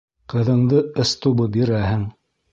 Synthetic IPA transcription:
qɤ̆ðɤ̆ɴðɤɤ̆st̪ubɤbiɾæɦɘŋ

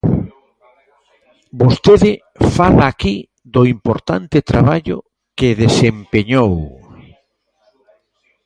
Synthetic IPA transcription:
bost̪eðɪ | falaːki | ðʊimpoɾt̪ant̪ɪt̪ɾaβaʎʊ̰ | kɪðesempeɲow

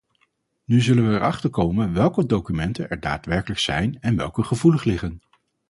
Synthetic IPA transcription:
nyzɵlənʋəːɹʔɑχtəɹkowmənʋɛlˠkədowkymɛntənɛɹda̰ːtʋɛɹkələksɛ̰jnɛnʋɛ̰lˠkəχəvuləχlɪχən

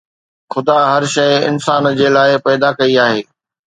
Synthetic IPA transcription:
xʊd̪aɦɐɾʃɐɪɪ̰nsaːnd͡ʑeːlaːɪpɛːd̪akɐiaːɦeː

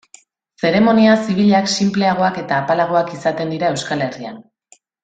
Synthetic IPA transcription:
se̞ɾe̞mo̞niasiβ̞iʎaksimple̞aɣ̞o̞ake̞t̪aːpalaɣ̞o̞akisat̪e̞nd̪iɾae̞wskale̞ria̰n

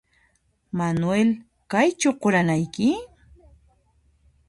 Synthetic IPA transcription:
manwel | kajt͡ʃʊqʊɾanajkɪ

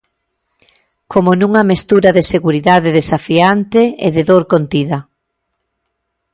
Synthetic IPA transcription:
kʰomonuŋɐmest̪uɾɐðeseɣuɾiðaðeðesafiant̪eḛðeðoɾkont̪iðɐ

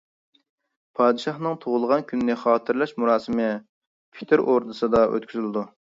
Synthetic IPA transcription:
pʰɑːd̪ɨʃɑχnɨŋt̪ʰoʁʊlˠəʁɑnkʲʰynːɪχɑːt̪ʰɨɾlˠɑʃmuɾɑːsɨmɨ | pʰi̥t̪ʰɪɾʔoɾd̪ɨsɨd̪ɑʔø̰t̪kʲyzylɪd̪u

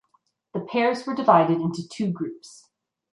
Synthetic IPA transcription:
ðəpʰɛɹzwə˞dɨvaɪɾɨɾɪ̃ntʉtʰʉɡɹʉps

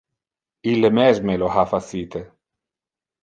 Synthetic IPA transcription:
ilːemɛzmelohafasiːt̪e

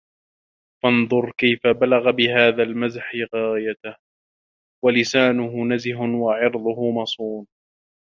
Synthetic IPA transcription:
fɑnðˤʊɾˤkajfabalaɣabɪhaːðalmazħɪɣaːjat̪ah | walɪsaːnʊɦʊnazɪhʊwaʕɪɾðˤʊhʊmɑsˤuːn

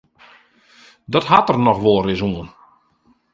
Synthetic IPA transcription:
dɔthatərnɔxʋolˠrɪsuən

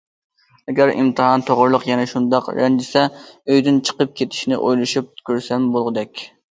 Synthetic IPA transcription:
ɛɡʲæɾḭmt̪ʰɨɦɑnt̪ʰoʁʊɾlˠʊqjɛnɛʃund̪ɑqɾɛnd͡ʒ̪ɪsɛøjd̪ɪnt͡ʃʰə̥qəp̚kʲʰet̪ʰɪ̥ʃnɪ̰ʔojlˠɨʃup̚kʲʰøɾsɛmbolˠʁəd̪ɛkʲ

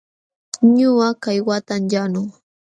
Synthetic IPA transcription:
ɲʊakajwat̪amjanʊŋ

